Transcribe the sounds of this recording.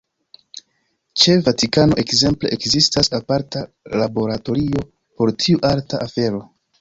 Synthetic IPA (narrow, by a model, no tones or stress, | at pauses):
t͡ʃe̞vatikano̞ʔe̞kze̞mple̞ʔekzistasapaɾta | labo̞ɾato̞ɾio̞ | po̞ɾtʰiuʔaltaʔafe̞ɾo̞